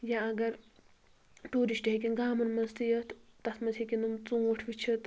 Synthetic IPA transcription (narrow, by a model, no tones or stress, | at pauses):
jaɐɡɐɾ | ʈuːɾiʃʈeɦekʲinɡaːmɐnmɐnzt̪ijɐt̪t̪ɐsʰmɐnzikʲinɨmt͡sũːʈʰʋit͡ʃʰit̪